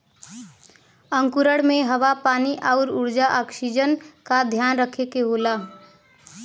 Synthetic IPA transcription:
ə̃ŋkuɾəɽmẽɦəʋapaːniʔaʊɾuʊɾd͡ʒaʔaːksid͡ʒənkad̪ʱjaːnɾəkʰekeɦoːla

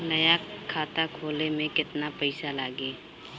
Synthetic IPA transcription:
nɐjakʰaːt̪akʰoːlemẽkɪt̪napɛɪsalaːɡeː

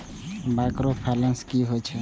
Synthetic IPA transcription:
bakɾopʰalə̃nskiɦot͡ʃʰɛ

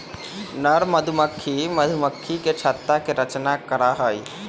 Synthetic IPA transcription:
nəɾməd̪ʱuməkʰːiməd̪ʱʊməkʰːiket͡ʃʰaːt̪ɾakeɾət͡ʃnakəɾaɦəi

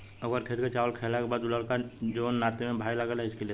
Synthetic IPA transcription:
əɡəɾkʰeɾket͡ʃaːʋəlkʰelakebaːd̪ʊləɾkad͡ʒonnaːt̪emẽbʱaːiləɡəlaɪskelie

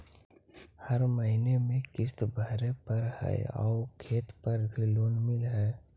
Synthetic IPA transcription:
hɐɾməɦinemẽkɪst̪bʱəɾepɐɾhɛ̰ɔ̰ːkʰeːt̪pɐɾbʱiloːnmɪlɦɛː

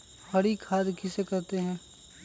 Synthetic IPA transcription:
hɐɽikʰaːd̪kɪsekɐɾt̪eɦɛ̃ː

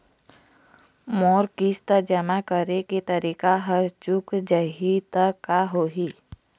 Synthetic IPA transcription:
mɔːɾkist̪əd͡ʒəmakəɾeket̪əɾikaɦəɾt͡ʃukd͡ʒəɦit̪əkaɦoːɦi

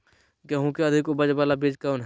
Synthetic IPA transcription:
ɡɐɦũkeɐd̪ʱɪkʊbəd͡ʒbaːlabeːd͡ʒkaʊnɦ

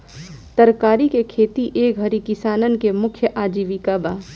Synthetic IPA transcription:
t̪əɾkaːɾikekʰeːt̪iʔeːkɦɐɾikɪsaːnənkemʊkʰjəʔaːd͡ʒiːʋikaːbaː

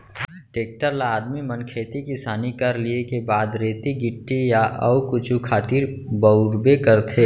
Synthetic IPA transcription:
ʈeːk̚ʈəɾlaːd̪mimənkʰeːt̪ikɪsaːnikɐɾliekebaːd̪ɾeːt̪iɡɪʈːijaʔɐwkʊt͡ʃʰukʰaːt̪iɾbəʊɾbekəɾt̪ʰeː

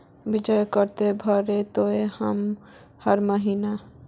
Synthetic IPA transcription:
bid͡ʒəjkəɾt̪ebʱəɾet̪oehəm | həɾməɦina

